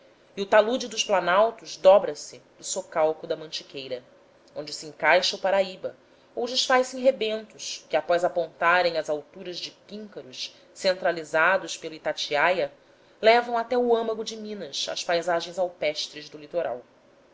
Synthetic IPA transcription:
iʊt̪alud͡ʒɪd̪ʊʃplanawt̪ʊzd̪ɔbɾɐsɪd̪ʊsokawkʊd̪ɐmɐ̃nt͡ʃi̥kʰejɾɐ | õnd͡ʒɪsiẽŋkajʃɐʊpaɾaibɐ | owd͡ʒɪʃfajsẽj̃ɦebẽnt̪ʊʃkɪapɔjzapõnt̪aɾẽj̃ɐzawt̪uɾɐzd͡ʒɪpĩŋkɐɾʊʃ | sẽnt̪ɾalizad̪ʊʃpeluit̪at͡ʃiajɐ | lɛvɐ̃w̃at̪ɛʊɐ̃mɐɡʊd͡ʒɪmĩnɐsɐ̰spajzaʒẽj̃zawpɛʃt̪ɾɪzd̪ʊlit̪oɾa̰w

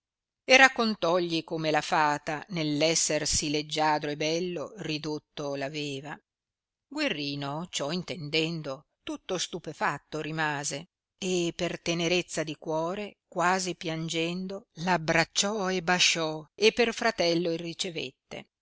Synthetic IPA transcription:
erakːont̪ɔʎːikomelafaːt̪anelːɛsːersiled͡ʒːaːd̪ɾoebɛlːorid̪ot̪ːolaveːva | ɡwerːiːnot͡ʃɔint̪end̪ɛnd̪o | t̪ut̪ːost̪upefat̪ːoɾimaːze | epːert̪eneɾet̪sːad̪ikwɔːɾekwaːzipjand͡ʒɛnd̪olabɾat͡ʃːɔebaʃɔepːerfɾat̪ɛlːoirːit͡ʃevḛt̪ːḛ

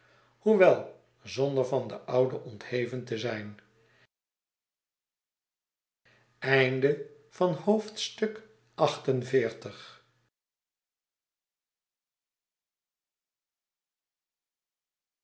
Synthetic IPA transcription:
huʋɛlˠ | zɔndəɹvɑndəʔɑwdəʔɔnthejvəntəzɛjn | ɛjndə | v̥ɑnhowftstɵk | ʔɑχtənvɪːɹtəχ

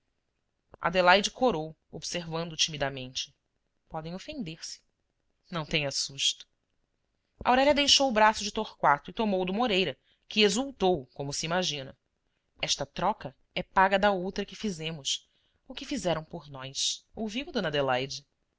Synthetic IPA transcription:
a̰d̪elajd͡ʒɪkoɾow | obseɾvɐ̃nd̪ʊt͡ʃimid̪amẽnt͡ʃɪ̥ | pɔd̪ẽj̃ofẽnd̪eɾsɪ̥ | nɐ̃w̃t̪ẽj̃asuʃt̪ʊ̥ | ʔɐ̰awɾɛʎɐd̪ejʃowʊbɾasʊd͡ʒɪt̪oχkwat̪ʊɪt̪omowd̪umoɾejɾɐ | kɪezuwt̪owkõmʊsiimaʒĩnɐ̰ | ɛʃt̪ɐt̪ɾɔkɐ | ɛpaɡɐd̪ɐowt̪ɾɐkɪfizẽmʊs | ʊkɪfizɛɾɐ̃w̃poɾnɔjsowviwd̪õnɐd̪elajd͡ʒɪ

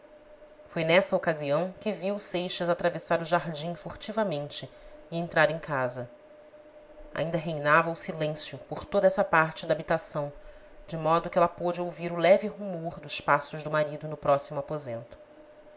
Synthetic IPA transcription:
fojnɛsɐokaziɐ̃w̃kɪviwsejʃɐzat̪ɾavesaɾʊʒaɾd͡ʒĩfoɾt͡ʃivɐmẽnt͡ʃɪɪẽnt̪ɾaɾẽj̃kazɐ | a̰ĩnd̪ɐɦejnavɐʊsilẽsjʊpoɾt̪od̪ɐɛsɐpaɾt͡ʃɪd̪aːbit̪asɐ̃w̃ | d͡ʒɪmɔd̪ʊkɪɛlɐpod͡ʒɪowviɾʊlɛvɪɦumoɾd̪ʊʃpasʊʒd̪ʊmaɾid̪ʊnʊpɾɔsimʊapozḛ̃nt̪ʊ̥

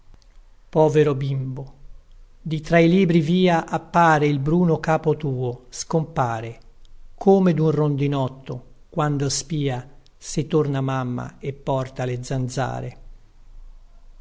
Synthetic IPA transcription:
pɔːveɾobimbo | d̪it̪ɾailiːbɾiviːaʔapːaːɾeilbɾuːnokaːpot̪uːoskompaːɾekʰoːmed̪unrond̪inɔt̪ːo | kwand̪ospiːa | sɪt̪ornamamːa̰epːɔrt̪aled̪zand̪za̰ːɾe

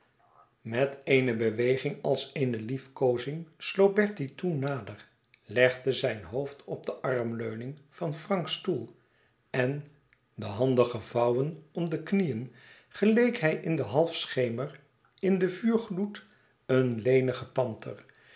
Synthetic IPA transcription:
mɛtejnəbəʋejχɪŋɑlˠsejnəlifkowzɪŋslow̚bɛɹtitunːaːdər | lɛχdəzɛjnɦowftʰɔb̚dəʔɑrmløɥnɪŋv̥ɑnfrɑŋkstulˠ | ɛn | dəɦɑndəχəvɑwənɔmdəknijən | χəlejkɦɛjʔɪndəɦɑlˠfsχejmər | ɪndəvyːɹχlut | ənlejnəχətɑntʰə̰r

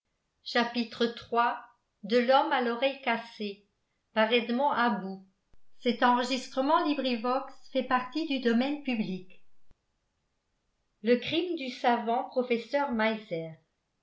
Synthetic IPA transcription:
ʃapit̪χət̪χwa | d̪əlɔmalɔʁɛjkase | paʁɛd̪mɔ̃ʔabu | sɛt̪ɑ̃ʁəʒist̪χəmɑ̃libʁivɔksfɛpaʁt̪id̪yd̪ɔmɛnpyblik | ləkχimd̪ysavɑ̃pχɔfɛsœʁmajzɛːʁ

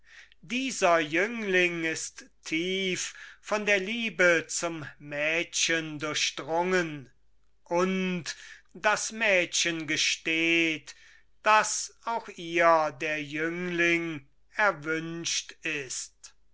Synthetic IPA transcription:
diːzɐjʏŋlɪŋɪsttʰːiːfːɔndeːɐliːbət͡sʊmːɛːtʃəndʊɐʃd̥ʁʊŋən | ʔʊntd̥asmɛːtɕənɡəʃteːt | d̥asaʊxiːɐdeːɐjʏŋlɪŋ | ɛɐvʏnʃtɪst

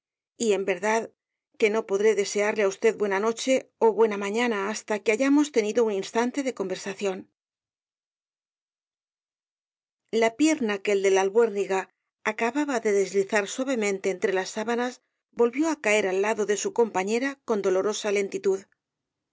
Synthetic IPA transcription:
ie̞mbe̞ɾðað | ke̞no̞po̞ðɾe̞ðe̞se̞aɾleaust̪e̞ðbwenano̞t͡ʃe̞o̞βwe̞namãɲanaːst̪ake̞aʝamo̞st̪e̞niðouninst̪ant̪e̞ðe̞ko̞mbe̞ɾsaθjo̞n | lapje̞ɾnake̞ːld̪e̞lalβwe̞ɾniɣaː | kaβaβaðe̞ðe̞zliθaɾswaβe̞mẽ̞nt̪e̞ːnt̪ɾe̞lasːaβanaz | bo̞lβjo̞akae̞ɾalːaðo̞ðe̞suko̞mpaɲe̞ɾako̞nd̪o̞lo̞ɾo̞sale̞nt̪it̪uð

